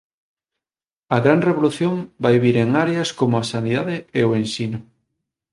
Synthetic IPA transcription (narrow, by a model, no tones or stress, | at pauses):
ɐɣɾanreβoluθjõmbajβiɾeŋaɾeaskomoasaniðaðeeoẽnsinʊ